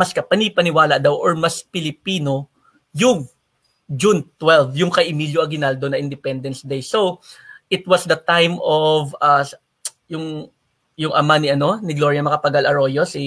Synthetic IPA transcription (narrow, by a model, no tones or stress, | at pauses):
mɐskɐpɐnipɐnɪwaːlɐʔd̪ɐwʔoɹmɐspɪlɪpiːno̞ | jʊŋ | d͡ʒunt̪wɛlvjʊŋkɐjʔɪmiːljoʔɐɡɪnald̪onɐʔɪnd̪ɪpɛnd̪ɐnsd̪ejsowʔɪt̪̚wɐsd̪ɐt̪ajmova | jʊŋ | jʊŋʔɐmanɪʔɐno̞nɪɡlo̞ɹjɐmɐkɐpɐɡalɐɹo̞josɪ